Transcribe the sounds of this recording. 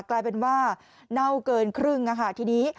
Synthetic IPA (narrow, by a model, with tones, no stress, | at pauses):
klaː˧jpe˧nwaː˥˩ | na˥˩wkɤː˧nkʰɾɯ˥˩ŋʔa˧˩kʰa˦˥˩t̪ʰiː˧niː˦˥